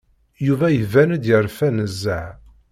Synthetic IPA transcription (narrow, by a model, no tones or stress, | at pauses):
juvæjəvænəd̪jəɾˤfænəzːəʕ